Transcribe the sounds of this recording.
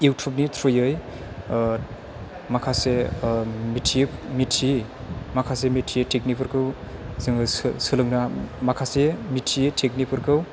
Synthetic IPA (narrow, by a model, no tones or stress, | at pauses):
ewtʰɔp̚nitʰɾojɯj | makʰase | mitʰimitʰimakʰasemitʰietʰek̚nipʰɯɾkʰɯwzɯŋɯssɯlɯŋnamakʰasemitʰietʰek̚nipʰɯɾkʰɯw